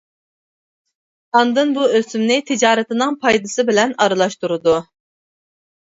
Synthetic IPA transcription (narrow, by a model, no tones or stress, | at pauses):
ɑnd̪ɨnbuøsymnɪt̪ʰɪd͡ʒɑːɾɛt̪ɨnɨŋpʰɑjd̪ɨsɨbɪlɛnɑɾɨlˠɑʃt̪uɾud̪u